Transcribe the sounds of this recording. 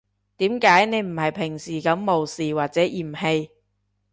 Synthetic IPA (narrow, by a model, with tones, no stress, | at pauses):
t̪iː˨˥mkaː˨˥jne˨˧jm̩˨˩hɐ˨jpʰɪ˨˩ŋsiː˨˩kɐ˨˥mːo˨wsiː˨waː˨t̚t͡sɛː˨˥ʔiː˨˩mhe˧j